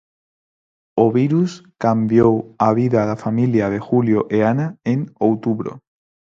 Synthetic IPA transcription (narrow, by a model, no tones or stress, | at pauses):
oβiɾuskambjowaβ̞iðaðafamiljað̞exuljoʔeanaeŋowt̪uβɾo̰